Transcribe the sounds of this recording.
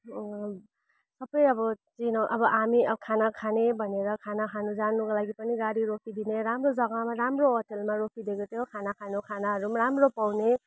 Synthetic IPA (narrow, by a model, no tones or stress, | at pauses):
sʌbʌjʌbʌt͡sinʌʔʌbʌʔamiʌkʰanakʰanebʱʌneɾʌkʰanakʰanud͡zanukʌlaɡipʌniɡaɽiɾopʰid̪ineɾamrod͡zʌɡamaɾamroɦoʈelmaɾokʰid̪ekot̪ʰjokʰanakʰanokʰanaɦʌɾumaɾamropawne